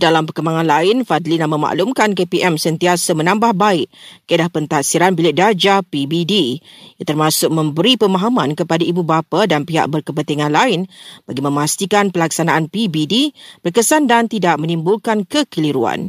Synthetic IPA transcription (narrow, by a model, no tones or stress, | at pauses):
dalampərkəmbaŋãnlaɪnfad̪linamə̃ma̰ʔlumkankepiʔɛmsənt̪iasamənãmbahbaɪʔkədahpənt̪aʔsiɾanbilɪʔ̚dad͡ʒapibidijat̪ərmãsʊk̚mə̃mbəɾipəmãɦamãnkəpadaʔibubapadanpiɦa̰ʔ̚bərkəpənt̪iŋãnlaɪnb̥aɡimə̃mast̪ikanpəlak̚sanaʔanpibidib̥ərkəsandant̪idaʔ̚mə̃nĩmbʊlkankəkəliɾua̰n